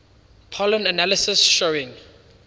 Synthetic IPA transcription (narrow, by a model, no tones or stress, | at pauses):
pʰɔlə̃nənalisɪsʃoɪ̃ŋ